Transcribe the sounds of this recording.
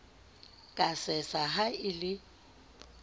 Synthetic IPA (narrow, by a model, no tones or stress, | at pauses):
kʼasɛsaɦaɪlɪ